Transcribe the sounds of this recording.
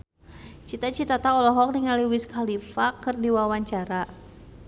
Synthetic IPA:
t͡ʃit̪at͡ʃit̪at̪aɔlɔɦɔk̚niŋaliwiskʰalifakɨrdiwawaɲt͡ʃaɾa

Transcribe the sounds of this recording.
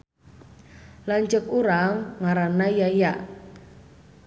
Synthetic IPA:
laɲt͡ʃəkuɾaŋːaɾanaijajaʔ

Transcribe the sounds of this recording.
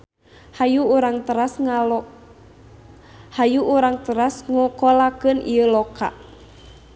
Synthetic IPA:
hajuːɾaŋt̪əɾas | hajuʔuɾaŋt̪əɾasŋɔkɔlakɨnḭəlɔka̰

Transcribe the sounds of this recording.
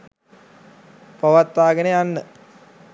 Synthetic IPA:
pɐʋat̪ːaːɡəneanːə

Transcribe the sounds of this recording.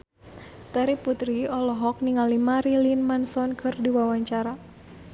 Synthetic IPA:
t̪aɾiput̪ɾiɔlɔɦɔk̚niŋalimaɾilinmansɔnkʰɨrdiwawaɲt͡ʃaɾa

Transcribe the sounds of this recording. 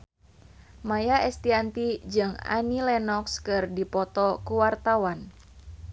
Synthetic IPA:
majaʔɛst̪iant̪id͡ʒɨŋa̰nilɛnɔkskɨrdipɔt̪ɔkuwart̪awan

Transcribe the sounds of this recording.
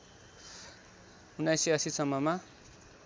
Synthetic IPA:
unajsiʌsisʌmːʌma

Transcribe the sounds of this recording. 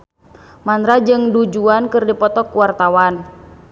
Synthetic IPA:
manɾad͡ʒɨŋdud͡ʒuankɨrdipɔt̪ɔkuwart̪awan

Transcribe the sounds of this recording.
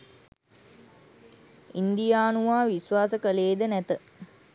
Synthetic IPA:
ind̪ijaːnuʋaːʋisʋaːsəkəleːd̪ənæt̪ə

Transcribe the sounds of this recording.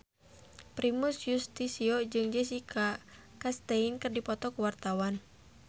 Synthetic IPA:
pɾimusjust̪isiɔd͡ʒɨŋd͡ʒɛs̬ikʰakast̪ɛinkɨrdipɔt̪ɔkuwart̪awan

